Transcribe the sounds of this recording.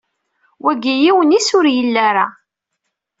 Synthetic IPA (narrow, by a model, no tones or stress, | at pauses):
wæɡijiwənisʊɾjəlːaɾa